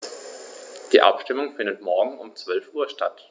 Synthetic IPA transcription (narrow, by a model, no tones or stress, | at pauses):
d̥iːʔa̰pʃtɪmʊŋfɪndətmɔɐɡŋ̩ʊmt͡sv̥œlfʔuːɐʃta̰t